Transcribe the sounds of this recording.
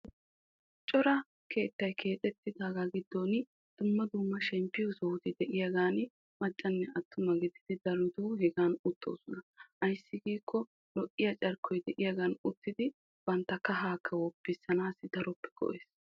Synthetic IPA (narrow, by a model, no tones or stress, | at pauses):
t͡ʃʼɔɾɐ | kʰe̞ːt̪ːɐjkʰe̞ːt͡sʼɛt̪ːɪd̪aːɡaɡɪd̪ːoːn | d̪̥ʊmːɐd̪ʊmːɐʃɛmpːɪjʊsɔhʊt̪ɪd̪ɛʔɪjɐɡaːn | mɐt͡ʃʼːɐnːɛɐt̪ːʊmɐɡɪd̪ɪd̪ɪd̪ɐɾʊt̪uhɛɡaːnʊt̪ʰːo̰ːsɔnɐʔɐjsːɪɡiːkʰːɔ | lɔʔʼːɪjɐt͡ʃʼɐɾkɔjd̪ɛʔɪjɐɡaːnʊt̪ːɪd̪ɪ | b̥ɐnt̪ːɐkːɐɦaːkʰːɐwɔpːɪsːɐnaːsɪd̪ɐɾɔpːɛ̥kɔ̰ʔeːs